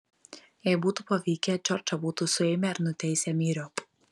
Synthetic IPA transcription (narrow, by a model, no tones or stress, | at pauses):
jɛɪbuːt̪upɐʋʲiːkʲɛt͡ʃʲɔɾʲt͡ʃɐbuːt̪usʊɛɪmʲɛɪɾnʊt̪ʲɛɪsʲɛmʲiːɾʲoːp